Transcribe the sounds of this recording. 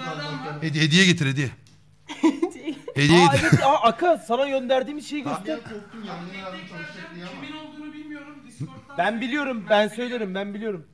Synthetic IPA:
ed̪ed̪ijɛɟet̪ʰiɾed̪ijɛ | ed̪ijɛeevet̪aʔakʰɯsanaɟø̞nd̪æɾd̪iːmiʃe̞jiɡɟøst̪ʰɪkt̪u | binolˠd̪unubilʲmijoɾum | bænbilʲijo̞ɾumbænsø̞jlʲeɾimbænbilʲijo̞ɾum

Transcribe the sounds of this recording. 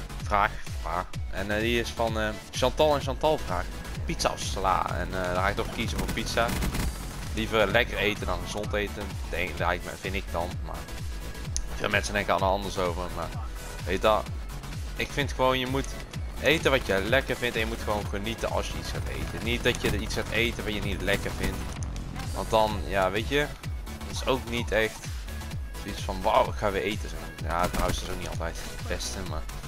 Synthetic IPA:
vraːxpaːɛndiɪsfɑnə | ʃɑntɑlˠɛnʃ̬ɑntɑlˠvraːx | pitsa̰ɔ̰ssla̰ːɛ̰nədaxaːɪk̚tɔχkizəvʊːɹpitsa | livərlɛkərejtəndɑnxəzɔntejtən | dɛdɛj̰ | vɪntɪk̚dɑnma̰ːɹ | vɪ̰ːlˠmɛnsəndɛŋkəɑlnəɑndəɹsowvərmaːɹ | ʋejtɑ | ɪkfɪntxəʋownjəmut | ʔejtənʋɑtjəlɛkəɹvɪntɛnjəmutxəʋownχənitə̰nɑ̰lˠsjəitsɛtḛjtənit̚dɑtjəitsxatejtəʋɑtjənitlɛkəɹvɪnt | ʋɑ̰nt̚dɑnjaːʋejtə | tɪsowknitɛxt | itsfɑnʋawɪkxaːʋəʔejtəsɛm | jadnɦawsɪsowk̚nitɑ̰lˠtɛjtəbɛstəma̰ːɹ

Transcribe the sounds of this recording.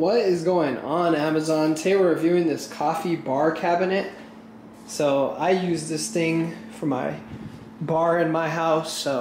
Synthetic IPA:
wʌɾɪzɡoʊɪ̃ŋə̃næməzɑ̃ntʰeɪwɪ˞ɹɨvjʉɪ̃ŋðɪskʰɔfibɑɹkʰæbɨnɨt̚ | soʊa̰ɪjʉzðɪsθɪ̃ŋfə˞maɪ | bɑɹɨ̃nmaɪɦaʊsoʊ

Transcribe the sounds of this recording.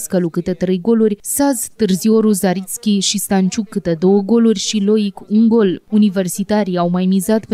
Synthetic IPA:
skəlukɨt̪et̪ɾe̞jɡo̞lurʲsazt̪ɨrzio̞ɾuzaɾit̪skʲiʃist̪ant͡ʃukːɨt̪ed̪o̞wəɡo̞lurʲʃilo̞ikuŋɡo̞lunive̞rsit̪aɾiawmajmizat̪p

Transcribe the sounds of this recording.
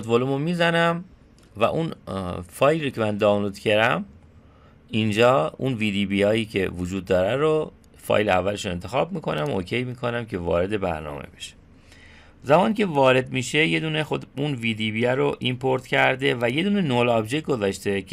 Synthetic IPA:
ot̪volumomiːzænæm | væ̰ʔunfɒːjliɾocʰemænd̪ɒːwlod̪̥cʰe̞ɾæm | ind͡ʒɒːṵnviːd̪iːbiɒːjiːcʰe̞vod͡ʒuːd̪ːɒːɾæɾo | fɒ̰ːjleævːæle̞ʃune̞nt̪ʰe̞xɒːbmiːkʰo̞næmoːcʰe̞jmiːkʰo̞næmcʰe̞vɒ̰ːɾe̞d̪e̞bæ̰ɾnɒ̰ːmḛbe̞̥ʃe̥ | zæmɒːnicʰe̞vɒːɾe̞d̪miːʃe̞je̞d̪uːnexod̪unviːd̪iːbiæɾoʔimpʰoɾt̪cʰæɾd̪evæje̞d̪uːnenolɒbd͡ʒe̞cɡo̞zɒːʃt̪e̞

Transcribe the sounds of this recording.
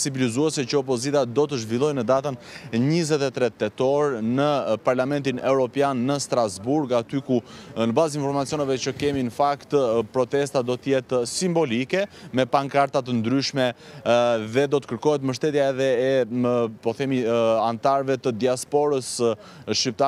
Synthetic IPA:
sivilizuɛsɛt͡ɕəɔpɔzit̪ad̪ɔt̪əʒvilˠɔjnəd̪at̪ənɲizɛt̪ɛt̪ɾɛt̪ːɛt̪ɔɾnəpaɾlamɛnt̪̬inɛvɾɔpjanːəst̪ɾazbuɾɡat̪ykunəbazinfɔɾmat͡siɔnɛvɛt͡ɕəkɛminəfakt̪pɾɔt̪ɛst̪ad̪ɔt̪əjɛt̪simbɔlikɛmɛpaŋkaɾt̪at̪̬ənd̪ɾyʃmɛ | ðɛd̪ɔt̪ə̥kəɾkɔɦɛt̪məʃ̬t̪ɛt̪jaɛðɛɛəpɔθɛmiant̪aɾvɛt̪əd̪iaspɔɾəs | ʃip̚t̪a

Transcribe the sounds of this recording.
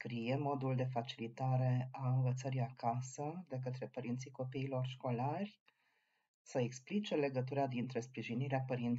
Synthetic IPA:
skɾijemo̞d̪uld̪e̞fat͡ʃilit̪aɾe̞aɨnvət̪səɾiakasəd̪e̞k̬ət̪ɾe̞pəɾint̪siko̞piːlo̞rʃko̞larʲ | səeksplit͡ʃe̞le̞ɡət̪̬uɾad̪int̪ɾe̞spɾiʒiniɾeapəɾint̪

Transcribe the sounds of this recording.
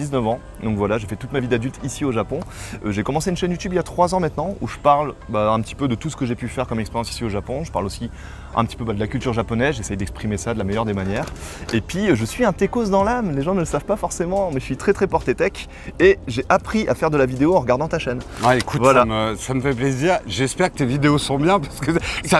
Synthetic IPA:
d̪iznəvɑ̃ | d̪ɔ̃kvwalaʒefɛt̪ut̪mavid̪ad̪ylt̪ʰisioʒapɔ̃øʒekɔmɑ̃seynʃɛnjut̪ybiljat̪χwazɑ̃mɛ̃t̪nɑ̃ṵʒəpaʁlbaɛ̃pət̪i̥pød̪ət̪usə̥kəʒepyfɛʁkɔmɛkspeʁjɑ̃si̥sioʒapɔ̃ʒəpa̰ʁlosi | ʔɛ̰̃pət̪i̥pøbad̪əlakʲylt̪yʁʒapɔnɛzʒesɛjd̪ɛkspχimesad̪əlamɛjœʁd̪emanjɛːʁepɥiøʒəsɥiɛ̃t̪ekos̬d̪ɑ̃lamleʒɑ̃nələsavpafɔʁsemɑ̃mɛʒəsɥit̪χɛt̪χɛpɔʁt̪et̪ɛk | eʒeʔapχiʔafɛʁd̪əlavid̪eoɑ̃ʁəɡaʁd̪ɑ̃t̪aʃɛnaekutvwalaməsaməfɛpleziʁʒɛspɛʁkə̥t̪evid̪eosɔ̃bjɛ̃paʁsə̥kəsa

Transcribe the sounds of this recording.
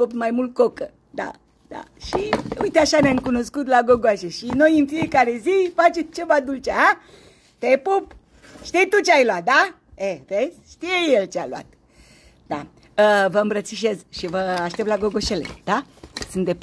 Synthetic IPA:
opt̪majmult̪̚kokə | d̪a̰ | d̪̥a̰ʃiujt̪eaʃaneamkuno̞skut̪̬laɡoɡoaʃeʃino̞jɨnfije̞kaɾe̞zifat͡ʃe̞mt͡ʃe̞vad̪ult͡ʃea | t̪epup | ʃt̪ijt̪ut͡ʃeajlwat̪̚d̪a | eresʃt̪ijejelt͡ʃealua̰t̪ | d̪̥a | əvəɨmbɾət̪siʃe̞sʃivəaʃt̪ept̪laɡoɡo̞ʃe̞lḛd̪̥asɨnt̪d̪ep

